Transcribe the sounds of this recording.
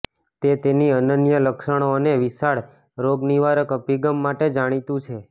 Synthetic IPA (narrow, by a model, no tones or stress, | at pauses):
t̪et̪eniənənjələkʃəɽ̃oneʋisaɭ | ɾoɡniʋaɾəkəpiɡəmːaʈed͡ʒaɽ̃it̪ũt͡ʃʰe